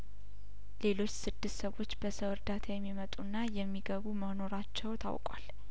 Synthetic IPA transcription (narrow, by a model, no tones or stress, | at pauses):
le̞lo̞t͡ʃːsɨd̪ːɨst̪səwo̞t͡ʃːbəsəwɨɾd̪at̪ʰajɛmːimət̪ʼunːajɛmːiɡəβuməno̞ɾat͡ʃːɛwt̪ʰa̰wkʼwa̰l